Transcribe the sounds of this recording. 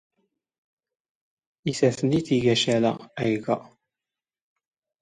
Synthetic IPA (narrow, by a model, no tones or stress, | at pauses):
isæθəniθiʝæʃælæ̰æjɡæ